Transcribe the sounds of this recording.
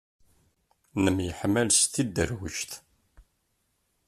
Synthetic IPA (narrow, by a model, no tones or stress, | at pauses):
nəmjəħmːælsθid̪ːəɾwəʃt̪